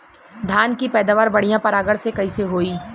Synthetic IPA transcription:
d̪ʱaːnkipɛːd̪aːʋaːɾʋɐɽijãpɐɾaːɡəɽsekɐiseɦoːiː

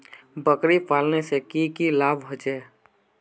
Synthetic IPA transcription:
bəkɾipaːlnesekikilaːbɦod͡ʒeː

